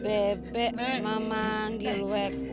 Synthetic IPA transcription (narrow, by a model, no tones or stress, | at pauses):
bɛbɛmamaŋɡilwɛk